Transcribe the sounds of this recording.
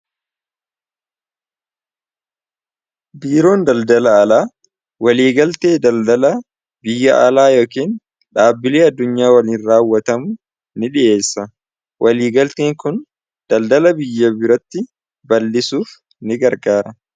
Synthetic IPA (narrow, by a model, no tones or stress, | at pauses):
biːɾo̞ːnd̪ɐld̪ɐlɐːlaː | wɐliːɡɐlt̪eːd̪ɐld̪ɐlɐ | bɪjːɐʔɐlaːjoːkiːn | ᶑaːbːɪleːɐd̪ːʊɲːaːwɐliːnɾaːwːɐt̪ɐmʊ | nɪᶑɪʔe̞ːsːɐ | wʔɐliːɡɐlt̪eːŋkʊn | d̪̥ɐld̪ɐlɐbɪjːɐbɪɾɐt̪ːɪ | bɐlːɪsuːf | nɪɡɐɾɡaːɾɐ